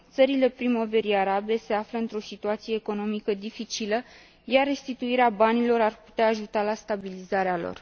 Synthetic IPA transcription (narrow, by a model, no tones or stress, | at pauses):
t̪səɾile̞pɾimo̞ve̞ɾiaɾabe̞se̞afləɨnt̪ɾo̞sit̪uat̪sije̞ːko̞no̞mikəd̪ifit͡ʃilə | jarːe̞st̪it̪uiɾeabanilo̞ɾarpu̥t̪eaːʒut̪alast̪abilizaɾealo̞̰r